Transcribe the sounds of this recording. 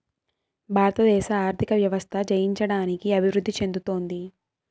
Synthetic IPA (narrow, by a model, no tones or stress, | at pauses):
bʱaːɾɐt̪ɐd̪ɛːʃɐaːɾt̪ʰikɐʋjɐʋɐst̪ʰɐd͡ʒɐjiɲt͡ʃɐɽaːnikiɐbʱiʋɾud̪ːit͡ʃe̞nd̪ut̪o̞ːnd̪i